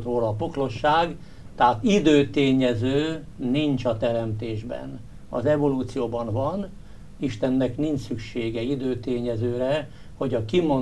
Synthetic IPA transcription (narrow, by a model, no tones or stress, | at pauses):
t̪roːlɒːpoklo̞ʃːaːɡ | t̪ɛɦat̪id̪øːt̪eːɲɛzøː | nint͡ʃɒt̪ɛɾɛmt̪eːʒbɛ̰n | ɒ̰zɛvo̞luːt̪sijoːbɒnvɒn | iʃt̪ɛnːɛknint͡ʃsykʃeːɡɛid̪øːt̪eːɲɛzøːɾɛ | ho̞ɟɒkimon